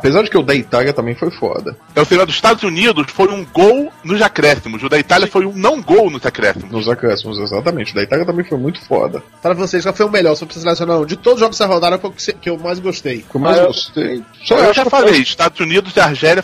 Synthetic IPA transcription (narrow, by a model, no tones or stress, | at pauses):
apezaɾd͡ʒɪkɪʊd̪ɐit̪aliɐt̪ɐ̃mbẽj̃fojfɔ̰d̪ɐ̰ | ɛwseɐ̃d̪ʊzi̥ʃt̪ad̪ʊzunid̪ʊsfojũɡownʊzakɾɛsimʊzʊd̪ɐit̪aljɐfojũnɐ̃w̃ũɡownʊzakɾɛ̰simʊnʊzakɾɛsimʊzeza̰t̪ɐmẽnt͡ʃɪʊd̪ɐit̪alʲjiɐt̪ɐ̃mbẽj̃fojmũj̃t̪ʊ̥fɔ̰d̪ɐ̰ | pɾɐvoseskafojʊ̃meʎɔɾsopsɐselesjõnaɾɐ̃w̃d͡ʒɪt̪od̪ʊzʒɔvẽszɐɦod̪aɾɐ̃ke̥sekɪewmajzɡoʃt̪ejkewmajzɡost̪ḛjsɔewʒafalejʃt̪ad̪ʊzunid̪ʊzɪaɾʒɛljɐ